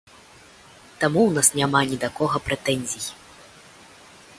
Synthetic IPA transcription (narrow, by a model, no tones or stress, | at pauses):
t̪amuwnasnʲamanʲid̪akɔɣɐpɾɛt̪ɛnʲzʲij